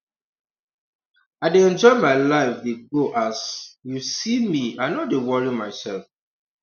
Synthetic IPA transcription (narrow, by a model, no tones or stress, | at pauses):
aɪdeɛ̃nd͡ʒɔɪmaɪlaɪfdeɡoʔasjusimianɔdewɔɹimaɪsɛlf